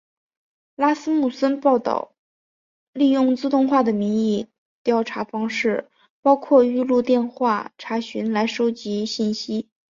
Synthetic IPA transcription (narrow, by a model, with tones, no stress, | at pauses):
la˥sɹ̩˥mu˥˩sə˥npɑ˥˩ʊt̪ɑ̰˨˩ʊ | li˥˧jʊ˥˩ŋt͡sɹ̩˥˧t̪ʊ˥˧ŋxwa˥˩d̪ə˩mi˧˥ŋi˥˩ | t̪jɑ˥˩ʊʈ͡ʂʰa˧˥fɑ˥ŋʂɻ̩˥˩ | pɑ˥ʊkʰwɔ˥˧y˥˧lu˥˧t̪jɛ˥˧nxwa˥˩ʈ͡ʂʰa˧˥ɕy˧˥nla˧˥ɪʂo˥ʊt͡ɕi˧˥ɕi˥˩nɕi˥